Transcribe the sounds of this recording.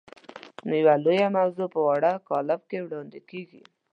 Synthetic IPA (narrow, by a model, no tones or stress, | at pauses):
nojawalojamawzopəwaɽakɑlab̚kewɽɑnd̪ekeɡḭ